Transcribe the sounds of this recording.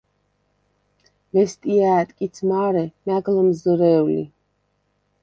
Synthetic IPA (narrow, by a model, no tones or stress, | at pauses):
vɛst̪ʼiaːt̪ʼkʼit̪sʰmaːɾɛmæɡləmzɔɾɛːwlḭ